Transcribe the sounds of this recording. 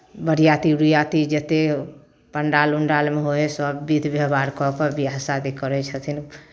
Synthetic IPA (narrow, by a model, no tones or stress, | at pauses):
bəɾijat̪iɾujat̪id͡ʒət̪e | pəɳɖaluɳɖalmeɦoesəbːid̪ʱbjəbaɾkɔkɔbiasad̪ikəɾɛt͡ʃʰət̪ʰin